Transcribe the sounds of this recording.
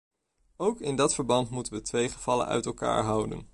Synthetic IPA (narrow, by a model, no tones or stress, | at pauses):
owkɪndɑtfəɹbɑntmutənʋətʋejχəv̥ɑlə̰nœ̰ɥtɛlˠka̰ːɹɦɑwdə̰n